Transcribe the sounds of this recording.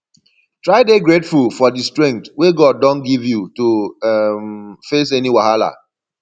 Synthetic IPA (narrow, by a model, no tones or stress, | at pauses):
tɹaɪdeɡɹetfulfɔdistɹɛ̃ŋk̚tweɡɔd̚ːɔ̃nɡivjutumfes̬ɛniwahala̰